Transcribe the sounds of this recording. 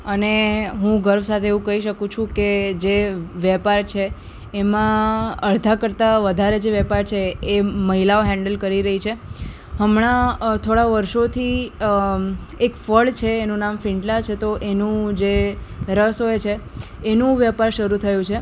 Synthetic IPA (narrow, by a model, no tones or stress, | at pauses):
əneɦũɡəɾʋsat̪ʰeeʋũkəɦiʃəkũt͡ʃʰũked͡ʒeʋjɛpaɾt͡ʃʰeː | mãəɾd̪ʱakəɾt̪aʋəd̪ʱaɾed͡ʒeʋɛpaɾt͡ʃʰeːməɦilaoɦɛ̃ɳɖəlkəɾiɾəɦit͡ʃʰe | ɦəmɽ̃at̪ʰoɽaʋəɾʃot̪ʰi | ekfəɭt͡ʃʰeːnũnamfɪɳɖlat͡ʃʰet̪oʔenũd͡ʒeɾəsojt͡ʃʰeː | nũʋjəpaɾʃəɾut̪ʰəjũt͡ʃʰe